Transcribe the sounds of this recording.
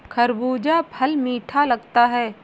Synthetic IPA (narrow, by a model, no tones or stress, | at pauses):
kʰɐɾbuːd͡ʒapʰɐlmiːʈʰalɐɡt̪aɦɛː